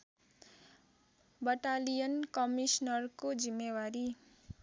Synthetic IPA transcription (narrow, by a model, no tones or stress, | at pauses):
bʌʈalijʌnkʌmisnʌrkod͡zimːewaɾi